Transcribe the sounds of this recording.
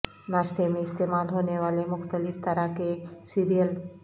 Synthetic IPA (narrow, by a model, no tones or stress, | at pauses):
naʃt̪ʰemeːst̪emalɦoneʋalemʊxt̪əlift̪əɾakesiɾijəl